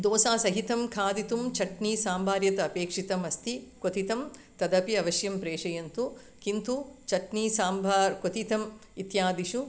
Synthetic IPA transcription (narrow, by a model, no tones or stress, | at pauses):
d̪oːsaːsɐɦit̪ɐmkʰaːd̪it̪umt͡ʃʰɐʈniːsaːmbʱaːɾjɐt̪ɐːpeːkʂit̪ɐmɐst̪ikot̪it̪ɐm | t̪ɐd̪ɐpiɐʋɐʃjɐmpɾeːʂɐjɐnt̪u | kint̪ut͡ʃɐʈniːsaːmbʱaːɾkot̪it̪ɐmit̪jaːd̪iʃu